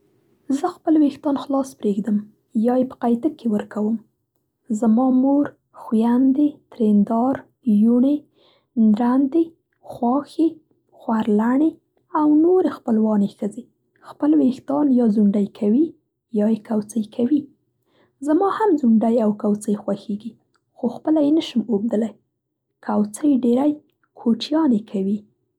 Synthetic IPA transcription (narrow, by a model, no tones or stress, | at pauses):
zəxpəlwext̪ɑnxlɑspɾeɡd̪əm | jɑjepə̥qajt̪əkʰːewəɾkawəm | zamɑmoɾ | xwjand̪et̪ɾend̪ɑɾ | juɳe | nɾand̪e | xwɑxe | xwaɾlaɳe | awnoɾexpəlwɑnexəze | xpəlwext̪ɑnjɑzuɳɖajkʰawi | jɑjekawt͡səjkʰawi | zamɑhamzuɳɖajawkawt͡səjxwaxeɡi | xoxpəlajenəʃəmob̚d̪əlaj | kʰawt͡səjɖeɾaj | kʰoʈjɑnekʰawi